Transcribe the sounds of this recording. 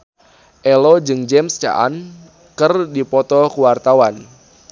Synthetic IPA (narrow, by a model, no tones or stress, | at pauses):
ʔɛlɔd͡ʒɨŋd͡ʒɛmst͡ʃa̰ʔa̰n | kɨrdipɔt̪ɔkuwart̪awan